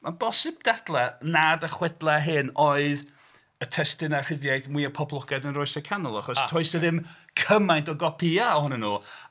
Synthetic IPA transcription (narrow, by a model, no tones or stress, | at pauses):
mabɔsɪb̚d̥ad̥lˠɛnadəχwɪdlˠɛɦɨnɔɨð | ətʰɛstɪnar̥ɪðjajθmwiəpʰɔblˠɔɡ̥ɛdənrʊɨsəkʰanʊlˠaχɔstʰɔɨsəðɪmkʰəmajntɔɡɔpʰiaɔhʊnɛnuː